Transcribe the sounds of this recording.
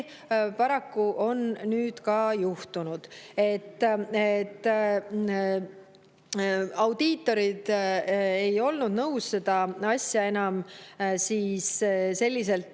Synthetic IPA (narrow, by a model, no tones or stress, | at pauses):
pɑɾɑkːuʔo̞nnyːd̪̥kɑːjuht̪unud̪̥e̞t̪ˑːet̪ː | ɑwd̪̥iːt̪ːˑo̞ɾid̪̥ | e̞jo̞lnud̪̥nɤwsse̞d̪̥ɑɑsʲjɑe̞nɑmsiːsse̞lʲːis̬e̞lt̪